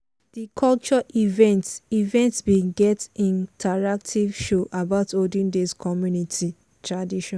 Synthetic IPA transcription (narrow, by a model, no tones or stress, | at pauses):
dikʰɔlt͡ʃɔʔivɛ̃ntivɛ̃ntsbiɡɛtĩntʰaɹak̚tʰivʃoʔabaʊtʰodĩndiskʰɔmjunitʰi | tʰɹadiʃɔ̃n